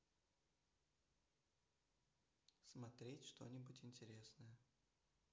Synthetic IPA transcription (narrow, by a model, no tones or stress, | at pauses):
smɐt̪ɾʲetʲʂt̪o̞̰nʲɪbʊtʲɪnʲtʲɪɾʲe̞snəjə